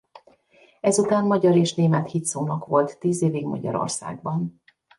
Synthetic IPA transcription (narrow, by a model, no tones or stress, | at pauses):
ɛzut̪aːnmɒɟɒɾeːʃneːmɛt̪hit̪soːnɒkʋo̞lt̪ːiːzeːviɡmɒ̰ɟɒ̰ɾo̞̰rsa̰ːɡ̚bɒn